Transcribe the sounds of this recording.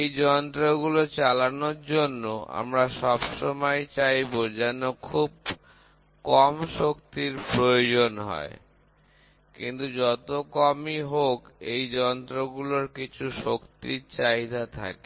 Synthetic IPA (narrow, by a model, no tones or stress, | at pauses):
ejd͡ʑɔnt̪ɾoɡulot͡ɕalanoɾd͡ʑonːoʔa̰mɾaʃɔbʃomɔjt͡ɕajbod͡ʑɛnokʰub̚ | kɔmʃokt̪iɾpɾojod͡ʑonɦɔ̰e | kḭnt̪ud͡ʑɔt̪okɔmiɦokejd͡ʑɔnt̪ɾoɡuloɾkit͡ɕʰuʃokt̪iɾt͡ɕajd̪at̪ʰa̰ke